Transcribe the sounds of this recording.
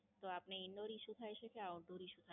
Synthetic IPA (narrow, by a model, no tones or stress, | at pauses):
t̪oapneindoɾiʃud̪ʱaeʃekʰeaod̪oɾiʃud̪ʰʱa